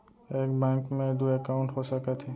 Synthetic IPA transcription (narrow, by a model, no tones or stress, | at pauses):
ekbɛŋkmẽd̪uɛkawʊɳʈɦɔsakat̪ʰi